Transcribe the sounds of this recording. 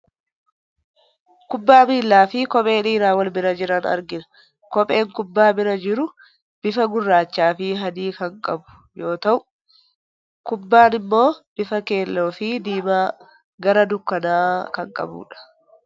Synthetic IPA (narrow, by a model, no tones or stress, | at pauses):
kʊbːaːmiːlːaːfɪkɔpʼe̞ːniːɾaːwɐlbɪɾɐd͡ʒɪɾɐnɐ̰ɾɡɪnɐ̥ | kɔpʼe̞ːŋkʊbːaːbɪɾɐd͡ʒɪɾʊ | b̥ɪfɐɡʊrːaːt͡ʃːaːfɪɦɐd̪iːkɐŋkʼɐbʊ̥ | jo̞ːt̪ɐʔʊ | kʊbːaːnɪmːo̞ːb̥ɪfɐke̞ːlːoːfɪd̪iːmaː | ɡɐɾɐd̪ʊkːɐnaːkɐŋkʼɐ̰bṵːᶑɐ̥